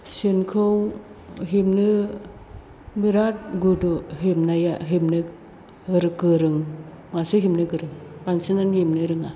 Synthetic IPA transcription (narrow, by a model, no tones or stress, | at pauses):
senkʰɯw | ɦimnɯ | miɾat̚ɡudoɦemnajaɦimnɯ | ɯɾɯɡɯɾɯŋ | masɯɦimnɯɡɯɾɯŋpaŋsinanjemnɯɾɯŋa